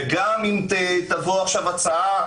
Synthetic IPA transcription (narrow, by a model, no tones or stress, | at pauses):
ɡamimt̪et̪avoaχʃavat͡saa